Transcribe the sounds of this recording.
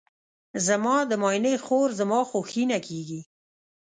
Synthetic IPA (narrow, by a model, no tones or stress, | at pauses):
zamɑd̪əmɑjnəjxoɾzamɑxoxinakeɡi